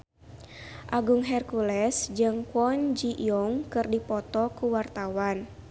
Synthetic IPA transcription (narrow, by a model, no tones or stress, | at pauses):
ʔaɡuŋɦɛrkulɛsd͡ʒɨŋkɔnd͡ʒiʔijɔŋkɨrdipɔt̪ɔkuwart̪awan